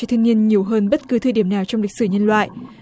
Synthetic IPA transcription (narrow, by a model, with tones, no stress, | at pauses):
ɔ˧t̪ʰŋi˧ənɲi˨˩əwɦəː˧nɓə˦˥t̚kɨ˨˦t̪ʰɨː˧ɗi˧˩əmnaː˨˩wt͡ɕɔ˧wŋ͡mmli˨˩k̚sɨ˧˩ɲə˧nlwa̰ː˧˨jʔ